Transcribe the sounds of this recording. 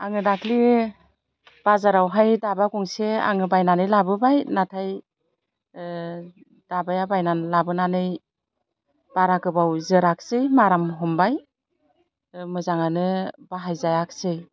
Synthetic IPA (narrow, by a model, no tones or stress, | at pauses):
aŋɯdakʰli | b̥azaɾawɦajdabaɡɔŋsea̰ŋɯbajnanɯjlabɯbajnatʰaj | dabajabajnanlabɯnanɯj | b̥aɾakɯbawzɯɾak̚sɯjmaɾamɦɔmbaj | mɯzaŋanɯbaɦajzajaksɯj